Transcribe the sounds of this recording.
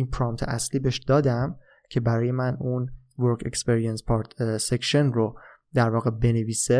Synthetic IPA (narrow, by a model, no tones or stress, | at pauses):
iːnpʰɾɒmt̪ʰeæsliːbeʃd̪̥ɒːd̪æm | cʰe̞bæɾɒːje̞mænun | voɾkʰe̞̰kspeɾijenspʰɒɾt̪ʰsekʃonro | d̪æɾvɒːɣe̞be̞neviːse